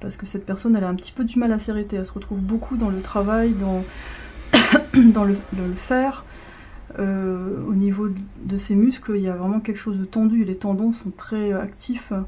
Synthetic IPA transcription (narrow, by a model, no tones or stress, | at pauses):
paʁsə̥kəsɛt̪̚pɛʁsɔnɛlaɛ̃pət̪ʰi̥pød̪ymalaseʁet̪eɛlsəʁət̪χuvbokʰud̪ɑ̃lət̪χavajd̪ɑ̃ | d̪ɑ̃ləd̪ɑ̃ləfɛːʁ | øonivod̪əsemyskliljavʁɛmɑ̃kʲɛlkə̥ʃozd̪ət̪ɑ̃d̪yelet̪ɑ̃d̪ɑ̃sɔ̃t̪χɛa̰kt̪ʰif